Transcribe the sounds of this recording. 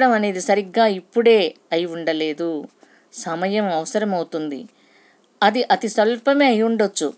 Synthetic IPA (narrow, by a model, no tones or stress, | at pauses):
ɽɐmɐne̞ːd̪isɐɾiɡːaːipːuɽe̞ː | ɐjiuɳɖɐle̞ːd̪u | sɐmɐjɐmɐʋɐsɐɾɐmɐwut̪und̪ḭ | ɐd̪iʔɐt̪isɐlpɐmeːɐjuɳɖot͡ʃːṵ